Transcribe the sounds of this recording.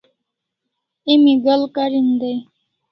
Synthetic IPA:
imiɡalkaɾind̪aj

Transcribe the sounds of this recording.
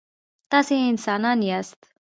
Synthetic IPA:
t̪ɐsẽɪnsaːnaːniɐst̪

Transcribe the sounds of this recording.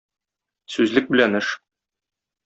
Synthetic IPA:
sʉzlɘk̚bɘ̆lænɘʃ

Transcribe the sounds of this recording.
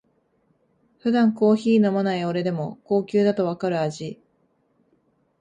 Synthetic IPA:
ɸɯ̟d̪ãŋko̞ːçiːno̞manaio̞ɾe̞d̪e̞mo̞ko̞ːkʲɨːd̪at̪o̞βakaɾɯ̟aʑi

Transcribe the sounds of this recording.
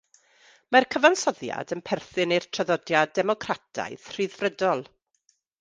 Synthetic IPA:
markʰəvansɔðja̰dənpʰɛrθɨnɨjrtʰraðɔdjadɛmɔkʰratʰa̰jð̥r̥ɨðvrədɔlˠ

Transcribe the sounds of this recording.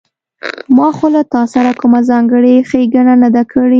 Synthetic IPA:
mɑxolat̪ɑsaɾakʊmazɑŋɡəɽexeɡananad̪akʰəɽi

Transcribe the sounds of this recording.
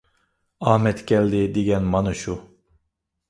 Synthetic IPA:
aːhmɛt̪ɡʲɛlʲd̪id̪iɡɛnmanɯʃu

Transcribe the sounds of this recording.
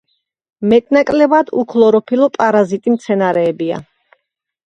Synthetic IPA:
mɛt̪ʼnakʼlɛbad̪ukʰlˠɔɾɔpʰilɔpʼaɾazit̪ʼimt̪sʰɛnaɾɛːbia̰

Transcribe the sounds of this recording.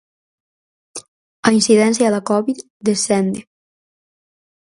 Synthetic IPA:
ainsiðɛnsjalakɔβit̪ | d̪esɛnd̪e

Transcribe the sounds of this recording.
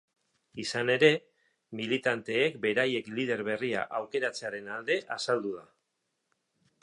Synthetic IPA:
isane̞ɾe̞ | milit̪ant̪e̞ːkbe̞ɾaje̞klið̞e̞ɾβe̞ria̰ʔawke̞ɾat͡se̞aɾe̞nald̪e̞ʔasald̪uða

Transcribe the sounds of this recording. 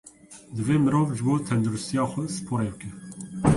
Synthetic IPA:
d̪ɨveːmɨɾoːvʒɨboːt̪ʰɛnd̪uɾʊst̪ijɑːxʷɛsɨ̥pʰoːɾebɨkɛ

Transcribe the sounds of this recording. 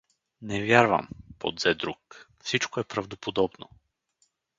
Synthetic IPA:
nɛvʲjaɾvə̰mpo̰d̪zɛd̪ɾuk | fsit͡ʃkoɛpɾɐvd̪opod̪ɔbno̰

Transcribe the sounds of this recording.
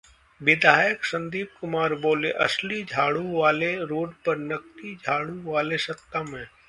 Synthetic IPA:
ʋɪd̪ʱaːjəksɐ̃nd̪iːb̚kʊmaːɾboːleʔɐ̰slid͡ʒʱaːɽuʋaːleɾoːɖpɐɾnɐkʈid͡ʒʱaːɽuʋaːlesɐt̪ːamɦɛ̃ː

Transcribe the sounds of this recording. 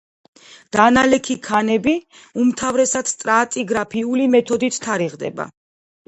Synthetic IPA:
d̪̥analɛkʰikʰanɛbi | umt̪ʰavɾɛsad̪st̪ʼɾaːt̪ʼiɡɾapʰiulimɛt̪ʰɔd̪it̪ʰt̪ʰaɾiʁd̪ɛ̰ba̰

